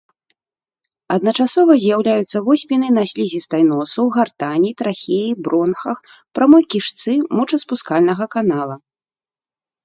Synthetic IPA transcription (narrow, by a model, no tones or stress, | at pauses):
ɐd̪nɐt͡ʂasɔvɐzʲjawlʲajut̪sːɐvɔsʲmʲinɨnasʲlʲizʲist̪ajn̪ɔsɐwɣart̪anʲit̪ɾaxʲejibɾɔnxɐx | pɾʔamɔjkʲiʂt̪sɨmɔt͡ʂɐspuskalʲnɐɣɐkanalˠɐ